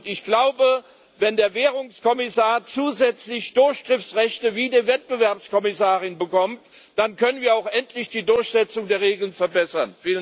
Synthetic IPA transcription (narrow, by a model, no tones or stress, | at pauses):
tɪçɡ̥laʊbə | vɛndeːɐveːʁʊŋskʰɔmɪsaːɐt͡suːzɛt͡slɪçd̥ʊɐçɡ̥ʁ̥ɪft͡sʁɛçtəviːdeːɐvɛt̚b̥əvɛɐpskʰɔmɪsaːʁɪnbəkɔmt | d̥ankʰœnənviːɐaʊxʔɛntʰlɪçd̥iːdʊɐçz̥ɛt͡sʊŋdeːɐʁeːɡl̩ənfɛɐbɛsɐnfiːlən